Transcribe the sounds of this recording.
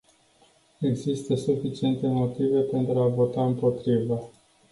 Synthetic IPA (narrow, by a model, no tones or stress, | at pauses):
e̞ɡzist̪əsufit͡ʃie̞nt̪e̞mo̞t̪ive̞pe̞nt̪ɾuavo̞t̪aɨmpo̞t̪ɾivə